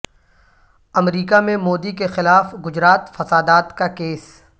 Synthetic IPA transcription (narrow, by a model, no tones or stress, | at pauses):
ɐmɾiːkamẽmoːd̪ikexɪlaːfɡʊd͡ʒɾaːt̪fɐsaːd̪aːt̪kakeːs